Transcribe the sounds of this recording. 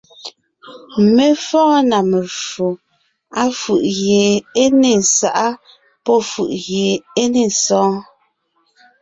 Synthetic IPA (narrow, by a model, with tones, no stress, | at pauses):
me˦fɔ̃ː˦na˨me˨fo˨ | a˦fʉ˨ʔɣeː˨e˦ne˨n̩˨sa˨ʔa˦ | pɔ˦fṵ˨ʔɣjeː˨e˦ne˦˨n̩˨sɔ̃ː˦